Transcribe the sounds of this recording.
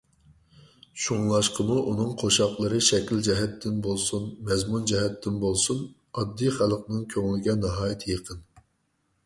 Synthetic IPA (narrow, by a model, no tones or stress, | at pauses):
ʃuŋlˠɑʃqʰəmuʔunɨŋqʰoʃɑqlˠəɾɨʃɛkʲild͡ʒɛɦɛt̪ʰːɪnbolˠsunmɛzmund͡ʒɛɦɛt̪ʰːɪnbolˠsun | ɑd̪ːijχælˠqnɨŋkʲʰøŋlɪɡʲɛnɑɦɑːjt̪ʰjeqʰən